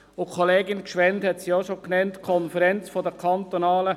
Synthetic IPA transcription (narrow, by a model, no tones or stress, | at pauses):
ʊkʰoleːɡɪnkʃʋɛnthɛtsiɔʃoknɛntkʰɔnfəɾɛnt͡sfɔdəkʰɑnt̪onɑːlə